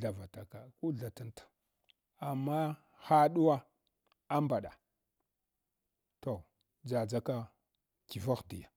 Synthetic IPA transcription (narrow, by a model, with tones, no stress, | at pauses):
ɮa˨va˨ta˨ka˨ku˦ɮa˨ta˦ntḁ˨ | a˨mːa˦ | xa˦ɗu˦wa˦ | a˦mba˨ɗa̰˨ | to˨ | d͡za˨d͡za˦ka˦ | ki˨va˦xdi˨ja˨